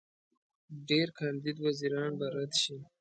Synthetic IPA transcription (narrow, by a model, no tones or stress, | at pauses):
ɖeɾkʰɑnd̪id̪waziɾɑnbaɾat̪ʃi